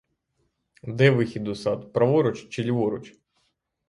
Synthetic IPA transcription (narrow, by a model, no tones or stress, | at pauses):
d̪ɛʋɪxʲid̪ʊsɑd̪pɾɐʋɔɾɔt͡ʃt͡ʃɪlʲʋɔɾʊt͡ʃ